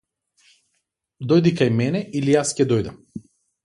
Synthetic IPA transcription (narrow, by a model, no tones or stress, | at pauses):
d̪ɔjd̪ikajmɛnɛilijascɛd̪ɔjd̪a̰m